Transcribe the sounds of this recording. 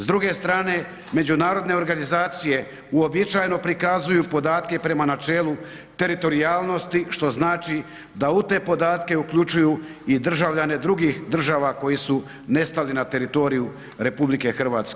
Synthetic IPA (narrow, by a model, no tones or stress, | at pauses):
zd̪ɾuɡe̞st̪ɾaːne̞ | me̞d͡ʒunaːɾo̞d̪ne̞o̞ɾɡanizaːt̪sije̞ | uo̞bit͡ʃaːjno̞pɾikazujupo̞d̪aːt̪ke̞pɾe̞manat͡ʃe̞ːlu | t̪e̞ɾit̪o̞ɾiaːlˠno̞st̪iʃt̪o̞znaːt͡ʃi | d̪aut̪e̞ːpo̞d̪aːt̪ke̞ukʎut͡ʃujuː | id̪r̩ʒaʋʎane̞d̪ɾuɡiːxd̪r̩ʒaːʋako̞jisu | ne̞st̪alinat̪e̞ɾit̪o̞ɾiju | ɾe̞publike̞xr̩ʋaːt̪ske